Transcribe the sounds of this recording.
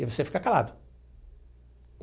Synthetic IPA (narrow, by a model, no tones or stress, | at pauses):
ɪvosefi̥kakala̰d̪ʊ